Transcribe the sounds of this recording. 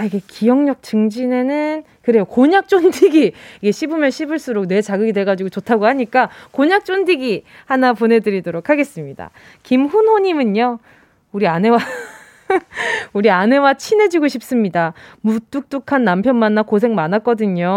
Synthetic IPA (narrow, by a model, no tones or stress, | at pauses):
iɡe̞kijʌŋɲʌk̚t͡ɕɯŋd͡ʑine̞nɯn | kɯɾe̞jokoɲak̚t͡ɕ͈ondiɡiiɡe̞ɕʰibɯmjʌnɕʰibɯɭs͈uɾok̚ne̞t͡ɕaɡɯɡidwe̞ɭɡad͡ʑiɡot͡ɕotʰaɡohaɲik͈akoɲak̚t͡ɕ͈ondiɡi | hanapone̞dɯɾidoɾokʰaɡe̞s͈ɯmɲida̰ | kimɸunɦoɲimɯɲo | uɾiane̞wa | uɾiane̞wat͡ɕʰine̞d͡ʑiɡoɕʰip̚s͈ɯmɲidamut͈uk̚t͈ukʰanːampʰjʌnmanːakos̬ʰe̞ŋmanak͈ʌdɯɲo